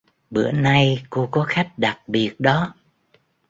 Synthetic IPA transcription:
ɓɨ̰˧˥əna˧jko˧kɔ˨˦xa˦˥jk̟̚ɗa˨˩k̚ɓi˨˩ət̚ɗɔ˨˦

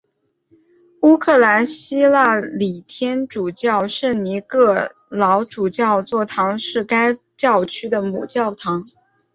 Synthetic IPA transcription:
u˥kʰɤ˥˩la˧˥nɕi˥la˥˩li˨˩t̪ʰjɛ˥nʈ͡ʂu˨˩t͡ɕjɑ˥˩˧ʊʂə˥˩ni˧˥kɤ˥˩ | lɑ˧˥ʊʈ͡ʂu˨˩t͡ɕjɑ˥˧ʊt͡swɔ˥˩t̪ʰɑ˧˥ŋʂɻ̩˥˩ka˥ɪ | t͡ɕjɑ˥˩ʊt͡ɕʰy˥d̪ə˨mṵ˨˩t͡ɕjɑ˥˩ʊt̪ʰɑ˧˥ŋ

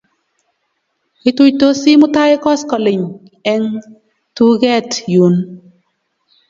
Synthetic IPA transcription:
ɪ˦tu˦jto˦si˦mʊ˦ta˦je˦kɔ˦skɔ˨lɪ˨ɲ | ɛ˨˧ŋ | tu˦ɡɛ˦tju˨n

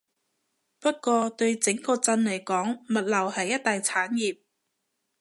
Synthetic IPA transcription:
pɐ˥t̚kʷɔː˧t̪ɵ˧ɥt͡sɪ˨˥ŋkɔː˧t͡sɐ˧nlɐ˨˩jkɔː˨˥ŋmɐ˨t̚lɐ˨˩whɐ˨jːɐ˥t̚t̪aː˨jt͡sʰaː˨˥njiː˨˩p̚

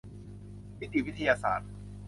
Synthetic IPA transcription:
wi˦˥t̪ʰi˨˩wi˦˥t̪ʰa˧jaː˧sa̰ː˨˩˦t̪̚

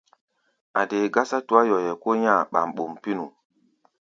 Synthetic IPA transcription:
a˨de˨ɡa˦sa˦tu˨a˦jɔ˨jɛ˨ko˦ɲã˦˨ɓa̰˨mɓo˨mpi˦nu˨

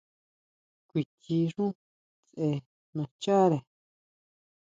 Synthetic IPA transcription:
kʷi˨ti˧ʐũ˦ | t͡se˧ | mã˧t͡ʃa˦ɾe˨

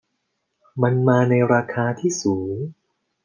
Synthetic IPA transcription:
ma˧nmaː˧na˧jɾaː˧kʰaː˧t̪ʰiː˥˩suː˩˦ŋ

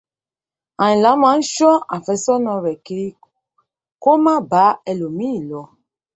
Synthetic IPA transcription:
ã˨ĩ˨la˨˦mã˨˦n̩˦ʃɔ˦ʔa˨fɛ˨˦sɔ˦nɔ̃˧ɾɛ˨ke˨i˦ | ko˦mã˦ba˨˦ɛ˧lo˨mĩ˦˨lɔ˨

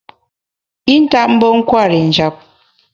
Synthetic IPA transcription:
i˦n̩˦ta˦ʔ̚m̩˦bɔ˦ŋ̩˦kwa˦˨ɾi˨n̩˨d͡ʒa˨˦p̚

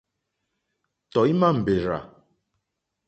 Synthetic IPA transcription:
tɔ˨i˦ma˦m̩˨be˨ɾa̰˨

